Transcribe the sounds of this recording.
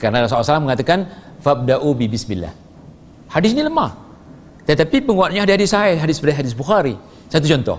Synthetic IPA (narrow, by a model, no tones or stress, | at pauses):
kaɾənaɾas̬awsalaməŋat̪akan | fab̚daʔubibɪsmilːa̰h | hadɪs̬niləmah | t̪ət̪apipəŋuaʔ̪̚ɲaadɪhadɪsajaɦadɪspadaɦadɪs̬buxaɾi | sajt̪ut͡ʃɔnt̪ɔ̰h